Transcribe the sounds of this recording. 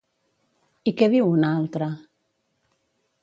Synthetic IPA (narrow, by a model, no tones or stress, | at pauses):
ikeβiunalt̪ɾa